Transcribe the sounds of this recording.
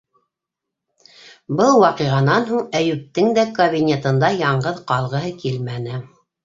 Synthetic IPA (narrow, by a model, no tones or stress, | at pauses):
bɤlˠwɑqɤʁɑnɑnɦuɴæjʉp̚t̪ːɘŋd̪ækɐβʲinʲet̪ɤ̆nd̪ɑjɑɴɢɤðqɑlˠʁɤ̆ɦɤkilmænɘ